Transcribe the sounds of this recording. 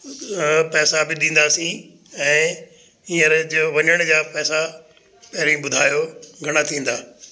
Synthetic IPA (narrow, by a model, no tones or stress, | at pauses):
pɛːsabɪɗĩːn̆d̪aːsĩː | ɛ̃ː | ĩːəɾd͡ʑoʋɐɲəɽ̃d͡ʑaːpɛːsa | pɛɦɾĩɓʊd̪ʱaːjoɡʱɐɽ̃at̪ʰĩːn̆d̪aː